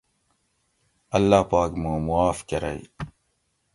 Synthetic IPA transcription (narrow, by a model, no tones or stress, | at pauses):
ɐlːaːpaːkmũːmuaːfkɐɾɐ̰ḭ